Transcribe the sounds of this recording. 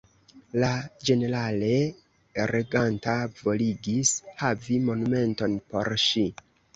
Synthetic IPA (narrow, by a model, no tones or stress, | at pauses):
lad͡ʒe̞ne̞ɾale̞ | ɾeɡantavo̞liɡishavimo̞nume̞nto̞npo̞ɾʃi